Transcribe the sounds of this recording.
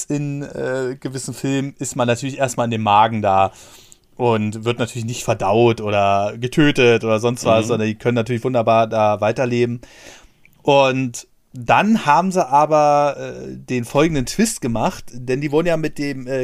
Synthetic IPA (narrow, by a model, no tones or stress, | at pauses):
ʔɪnɛːɡ̥əvɪsn̩fɪlmɪstmanːatʰyɐlɪçʔeːɐstmalɪndeːmaːɡŋ̩daː | ʔʊntv̥ɪɐtnatʰyɐlɪçnɪçtfɛɐdaʊtʔoːɾɐɡətʰøːtətʔoːdɐzɔnstv̥asz̥ɔndɐndiːkʰœnənːatʰyːɐlçv̥ʊndɐbaːɐdaːvaɪtɐleːbm̩ | ʔʊnt | d̥anhaːbm̩ziʔaːbɐʔɛ̰deːnfɔlɡŋ̩dəntv̥ɪstɡ̥əmaχtd̥ɛndiːvʊɐdn̩jaːmɪt̚d̥eːmɛː